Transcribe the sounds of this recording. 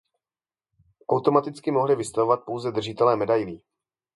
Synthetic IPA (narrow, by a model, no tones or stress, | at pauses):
ʔawt̪o̞mat̪ɪt͡skɪmo̞ɦlɪvɪst̪avo̞vat̪̚po̞wzɛd̪r̩ʒɪt̪ɛlɛːmɛdajliː